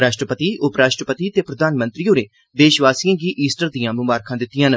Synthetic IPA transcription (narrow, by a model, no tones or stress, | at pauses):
ɾaːʃʈɾəpət̪iːʔʊpɾaːʃʈɾəpət̪iːt̪eːpɾəd̪aːnmə̃nt̪ɾiːoːɾeː | d̪eːʃʋaːsijãːɡiːʔiːsʈəɾd̪ijãːmʊmbaːɾkʰãːd̪ɪt̪ːɪjãːn